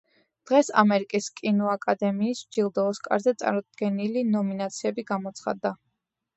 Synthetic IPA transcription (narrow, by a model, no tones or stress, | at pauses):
d̪̥ʁɛsa̰mɛɾikʼiskʼinɔakʼad̪ɛmiːsd͡ʒilˠd̪ɔːskʼa̰ɾzɛt̪sʼa̰ɾɔd̪ɡɛnilinɔminat̪sʰiɛbiɡamɔt̪sʰχa̰d̪ːa